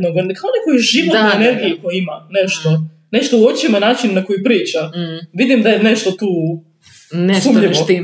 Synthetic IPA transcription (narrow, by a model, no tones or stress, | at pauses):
noɡankʰaonekojuʒiʋoeneɾɡijikojimaneʃt̪o | neʃt̪ouot͡ʃimenaːt͡ʃinːakojipɾiːt͡ʃaʋid̪imd̪ajeneʃt̪ot̪uː | nssuːmʎio